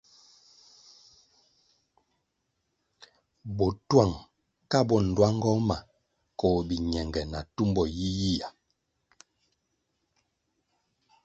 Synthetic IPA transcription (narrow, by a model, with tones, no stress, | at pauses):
bɔ˨twa˦˨ŋ | ka˦˨bɔ˦˨n̩˨dwa˦ŋ˦ɡɔ˦ma˨ | kɔ˦˨bi˨ɲɛ˨ŋɡɛ˨na˨tu˦mbɔ˨ji˦ji˦ja˨